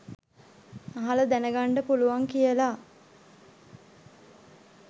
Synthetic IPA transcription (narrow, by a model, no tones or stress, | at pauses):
aɦaləd̪ænəɡaɳɖəpuluʋaŋkijəla